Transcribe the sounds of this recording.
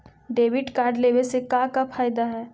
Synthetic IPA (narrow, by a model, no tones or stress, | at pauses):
ɖeːʋɪʈkaːɾɖleːʋesekãkapʰaːjd̪aɦɛː